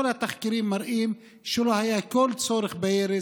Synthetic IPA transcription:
olhat̪aχkiɾimːaɾʔim | ʃelohajakolt͡soɾeχbeeɾe

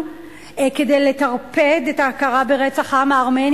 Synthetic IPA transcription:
kedejlet̪aʁped̪etaakaʁabeʁet͡saχamaaʁmen

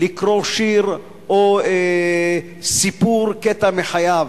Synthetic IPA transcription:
likʁoʃiɾ | o | sipuɾket̪ameħajav

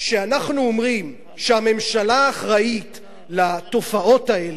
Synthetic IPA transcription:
ʃeanaχnuomʁim | ʃehame̞mʃalaːχʁait | lato̞fao̞tae̞l

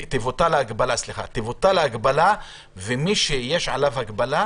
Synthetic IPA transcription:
t̪ivot̪alaaɡbalasliχa̰t̪ivot̪alaaɡbala | vemiʃejeʃʕalavhaɡbala

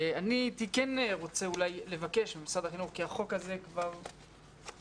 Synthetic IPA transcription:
anit̪ikeneʁo̞t͡seulajle̞vake̞ʃbemsad̪aχinuʁkiaχo̞kaze̞kvaʁ

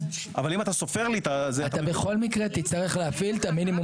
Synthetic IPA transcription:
a̰valimat̪aso̞feʁlit̪azeat̪abeχo̞lmikʁe̞t̪it͡st̪aʁeχleafilt̪aminimu

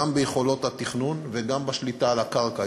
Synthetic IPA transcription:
ambejeχo̞lo̞t̪hat̪iχnunveɡambaʃlitalakaʁka

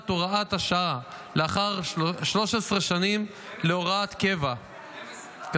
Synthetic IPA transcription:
t̪oʁaat̪haʃaa | leaχaʁʃlo̞ʃesʁeʃanim | leoʁat̪ke̞va

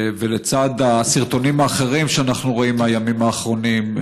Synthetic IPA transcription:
velet͡sad̪asiʁt̪o̞nimaːχe̞ʁimʃeanaχnuʁoimajamimaːχʁo̞nim

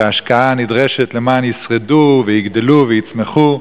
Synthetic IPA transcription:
aʃkaanɪdʁɛʃɛtlɪmaːnjɪsʁɛduvɪjɪɡdɪluvɪjɪt͡smɛχu

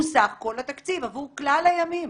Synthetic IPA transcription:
usaχko̞lat̪akt͡sivavuʁklalajamim

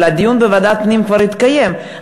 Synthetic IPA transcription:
lad̪ijunbevad̪at̪pnimkvaɾit̪kaje̞m

